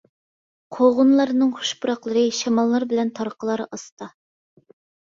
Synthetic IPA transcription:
qʰoʁʊnlˠɑɾnɨŋχu̥ʃbuɾɑqlˠəɾɨʃɛmɑlˠːɑɾbɪlɛnt̪ʰɑɾqʰəlˠɑɾɑst̪ɑ

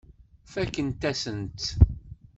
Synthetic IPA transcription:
fækːənt̪æsənt̪

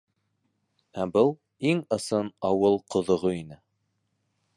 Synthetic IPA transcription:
æbɤlˠ | iŋɤ̆sɤnɑwɤlˠqʰŏðŏʁoinɘ

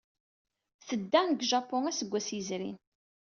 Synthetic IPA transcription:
θəd̪ːænɡʒɑpːɔnæsəɡʷːæsizɾḭn

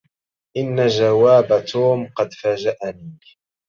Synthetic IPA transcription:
ʔɪnːad͡ʒawaːbat̪ʰuːmqɑd̪faːd͡ʒaʔaniː

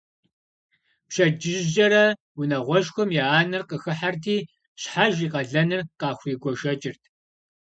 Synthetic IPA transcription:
pʃɐd͡ʒɪʑʑɐɾɐ | wʊnɐʁʷɔʃxʷɔmjɛaːnɨrqəxɨħartʰiː | ɕħaʒiːqɐɮɐnɨrqɑːxʷiːɡʷɔʃɐt͡ʃʼɪrtʰ

